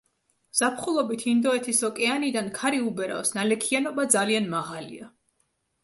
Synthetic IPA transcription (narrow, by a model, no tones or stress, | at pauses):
z̥apʰχulˠɔbit̪ʰind̪ɔɛt̪ʰisɔkʼɛanid̪ankʰaɾiubɛɾa̰fsnalɛkʰianɔbad̪zalianmaʁalḭa